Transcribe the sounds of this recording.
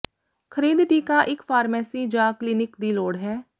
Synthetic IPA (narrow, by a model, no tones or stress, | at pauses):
kʰəɾiːd̪ʈiːkaːʔɪkpʰaːɾmɛːsiːd͡ʒãːkliːnɪkd̪iːloːɽɦɛː